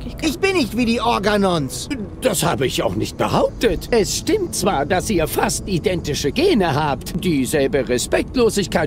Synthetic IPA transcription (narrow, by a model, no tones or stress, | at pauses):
ʔɪçb̥ɪnːɪçtv̥iːdiːʔɔɐɡanɔnsd̥ashaːbəɪça̰ʊxnɪçt̚b̥ə̰haʊp̚tətʔɛsʃtɪmtt͡sv̥aːɐdasʔiːɐfastʔidɛntɪʃəɡeːnəhaːptd̥iːzɛlbəʁɛspɛk̚tloːzɪçkʰaɪ